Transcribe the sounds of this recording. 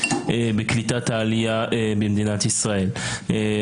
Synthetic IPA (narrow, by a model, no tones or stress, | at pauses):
bɪklit̪at̪aʕlɪjabɪmd̪iːnat̪ɪsɾaʔiːl